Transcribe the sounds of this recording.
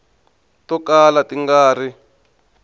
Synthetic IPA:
tɔkalatiŋɡaːri

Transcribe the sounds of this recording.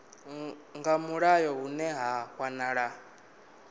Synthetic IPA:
ŋɡamuɺajɔɦunɛɦaɸwanaɺa

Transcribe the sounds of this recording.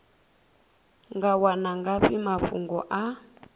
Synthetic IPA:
ŋɡawanaŋɡaɸimaɸṵŋɡɔʔa

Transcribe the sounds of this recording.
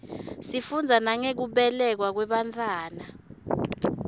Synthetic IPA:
sifund͡zʱanaŋek̬uɓɛlɛk̬wak̬wɛɓantʰʼaːna

